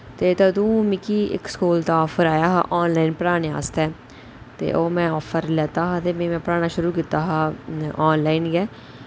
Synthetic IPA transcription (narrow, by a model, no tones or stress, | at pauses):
t̪eːt̪əd̪ũːmɪkiːɪ̰kskuːlt̪aːɔːpʰəɾaːjaːɦa̰ːʔɔːnlaːinpəɾaːneːa̰ːst̪ɛː | t̪ḛːʔoːmɛ̃ːɔːpʰəɾlɛːt̪aːɦaːt̪eːmẽːmɛ̃ːpəɾaːnaːʃʊɾuːkit̪aːɦaːɔːnlaːiːnɡɛː